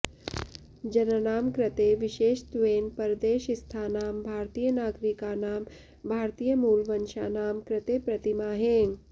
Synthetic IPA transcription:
d͡ʒɐnənaːmkɾɪt̪eːʋɪʃeːʃt̪ʋeːnpɐɾd̪eːʃɪst̪ʰaːnaːmbʱaːɾt̪ijənaːɡɾikaːnaːm | bʱaːɾt̪ijəmuːlʋənʃa̰naːmkɾɪt̪eːpɾɐt̪imaːɦẽː

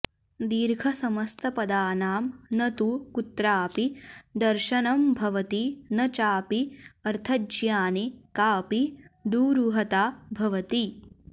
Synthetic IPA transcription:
d̪iːɾɡʰʱɐsɐmɐst̪ʰɐpɐd̪aːnaːmnɐt̪uːkut̪ɾaːpid̪ɐɾʃɐnɐmbʱɐʋɐt̪inɐt͡ʃaːpiɐɾt̪ʰɐd͡ʒjaːnikaːpid̪uːɾuɦɐt̪aːbʱɐʋɐt̪i

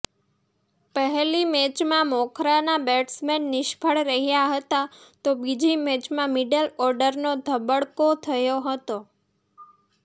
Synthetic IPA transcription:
pəɦɛlimɛt͡ʃmãmɔkʰɾanabɛʈsmɛnːɪʃbʱəɭɾəɦijaɦət̪at̪obid͡ʒimɛt͡ʃmãmiɖəlɔɾɖəɾnod̪ʱəbəɽkot̪ʰəjoɦət̪o

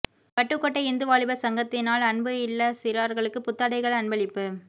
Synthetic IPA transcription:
pɐʈːɯkːɔʈːɐɪnd̪ɯʋaːɭɪbɐsɐŋɡɐt̪ːɪnaːlɐnbɯɪlːɐsɪɾaːɾɣɐɭɯkːɯpʊt̪ːɐɽɐɪɣɐɭɐɳbɐɭɪpːɯ

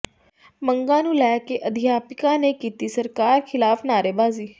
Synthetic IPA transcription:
məŋɡãːnũːlɛːkeːʔəd̪ʱɪjaːpɪkãːneːkiːt̪iːsəɾkaːɾkʰɪlaːfʰnaːɾeːbaːziː

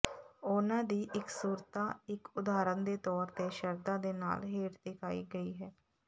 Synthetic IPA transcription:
ʊnãːd̪iːʔɪksuːɾt̪aːɪkʊd̪aːɾənd̪eːt̪ɔːɾt̪eːʃəɾd̪aːd̪eːna̰ːlɦeːʈd̪ɪkʰaːiːɡəiːɦɛː

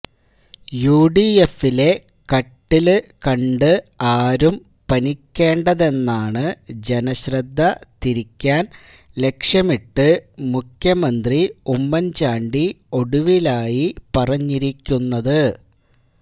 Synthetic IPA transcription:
juːɖiefːile̞ | kɐʈːilkɐɳɖɨaːɾum | pɐnikʲːe̞ːɳɖɐðe̞nːaːɳɨd͡ʑe̞nɐɕrɐd̪ʱːɐt̪iɾikʲːaːn | le̞kʂjɐmiʈːɨmukʰjɐmɐnd̪riumːɐɲt͡ɕaːɳɖi | o̞ɽuʋilaːjipɐrɐɲːiɾikʲːunːɐðɨ

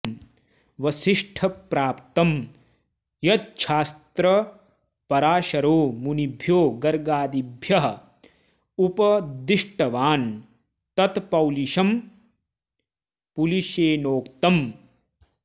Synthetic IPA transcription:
ʋɐsiʂʈʰɐpɾaːpt̪ɐm | jɐt̪̚t͡ʃʰaːst̪ɾɐ | pɐɾaːʃɐɾoːmunibʱjoːɡɐɾɡaːd̪ibʱjɐɦɐ | upɐd̪iʂʈɐʋaːn | t̪ɐt̪pɐwliʃɐm | puliʃeːnoːkt̪ɐm

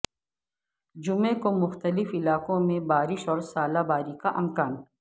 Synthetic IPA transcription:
d͡ʒʊmẽkomʊxt̪əlɪfɪlaːkõmẽbaːɾɪʃɔːɾsaːlabaːɾikaʔɐmkaːn

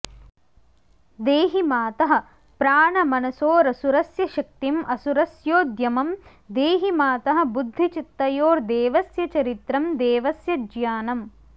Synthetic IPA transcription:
d̪eːɦimaːt̪ɐɦɐ̆ | pɾaːɳɐmɐnɐsoːɾɐsuɾɐsjɐʃɐk̚t̪imʔɐsuɾɐsjoːd̪jɐmɐm | d̪eːɦimaːt̪ɐɦɐ̆bud̪ʱːit͡ʃit̪ːɐjoːɾd̪eːʋɐsjɐt͡ʃɐɾit̪ɾɐmd̪eːʋɐsjɐd͡ʒjaːnɐm

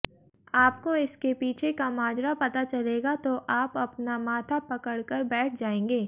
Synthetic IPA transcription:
aːp̚koɪskepiːt͡ʃʰekamaːd͡ʒɾapɐt̪at͡ʃɐleːɡat̪oʔaːpɐpnamaːt̪ʰapɐkəɽkəɾbɛːʈʰd͡ʒaːẽːŋɡeː

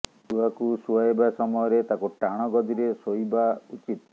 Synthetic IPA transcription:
t̪uɦakusuaebasɔmɔjɔɾet̪akuʈaɽ̃ɔɡɔd̪iɾesojbaut͡ʃit̪

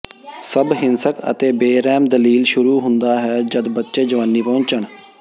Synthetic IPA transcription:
səbɦɪnsəkə̰t̪eːbeːɾɛːmd̪əliːlʃʊɾuːɦʊnd̪aːɦɛːd͡ʒəd̪bətːʃeːd͡ʒəʋaːnːiːpɔ̃ːɲt͡ʃəɳ

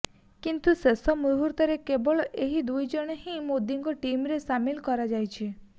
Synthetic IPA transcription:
kint̪usesɔmuɦuɾt̪ɔɾekebɔɭʔeɦid̪ujd͡ʒɔɽ̃ɦĩmod̪iŋkɔʈimɾesamilkɔɾad͡ʒajt͡ʃʰe

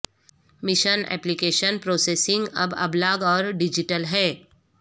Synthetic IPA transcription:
mɪʃənɛ̰ːplikeːʃənpɾoːseːsɪ̃ŋɡɐ̰bɐ̰blaːɡɔːɾɖɪd͡ʒɪʈəlɦɛː

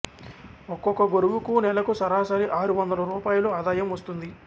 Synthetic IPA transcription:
ɔkːɔkːɐɡoɾuʋukunɛlɐkusɐɾaːsaːɾiʔaːɾuʋɐnd̪ɐlɐɾuːpaːjuloaːd̪aːjɐmʋɐst̪und̪i

